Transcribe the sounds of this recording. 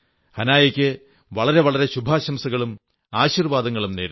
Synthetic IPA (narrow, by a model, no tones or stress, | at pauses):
hɐnaːjɐkʲːɨ | ʋɐɭɐɾe̞ʋɐɭɐɾe̞ɕubʱaːɕɐmsɐɣɐɭum | aːɕirʋaːd̪ɐŋːɐɭumneːɾ